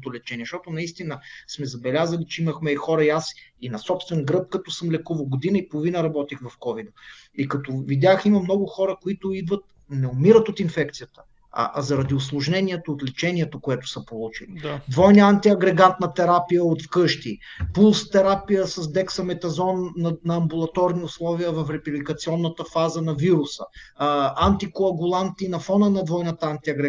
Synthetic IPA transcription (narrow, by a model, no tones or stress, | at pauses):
t̪ʊlɛt͡ʃɛniɛʃt̪ɔt̪ʊnɐist̪inəsmɛzɐbɛlʲazəlit͡ʃɛiməxmɛixɔɾɐiasinɐsɔpst̪vɛnɡɾɤp̚kɐt̪ɔsəmlɛkuvɐlˠɡod̪inəipolˠʊvinəɾɐbɔt̪ixvɐfkɔvid̪əikɐt̪ɔvid̪ʲjaximɐmnɔɡʊxɔɾəkʊit̪ʊid̪vət̪̚ | nɛomiɾət̪ot̪infɛk̚t̪sijət̪ə̥ | ɐ̰ʔɐzɐɾɐd̪iʊslˠʊʒnɛnʲiɛt̪oːt̪lɛt͡ʃɛniɛt̪okoɛt̪ʊ̥sɐpolˠut͡ʃilid̪vɔjnəant̪iɐɡɾɛɡant̪̚nɐt̪ɛɾapijəot̪fkɤʃt̪ipulˠst̪ɛɾapijəsɐsd̪ɛksɐmɛt̪ɐzɔnːɐnɐːmbulˠɐt̪ɔɾniʊslˠɔviəvɐfɾɛpiblikɐt̪siɔnːət̪əfazənɐviɾʊsə̰ | ant̪ikoɐɡʊlˠant̪inɐfɔnənɐd̪vɔjnət̪əant̪iɐɡɾɛ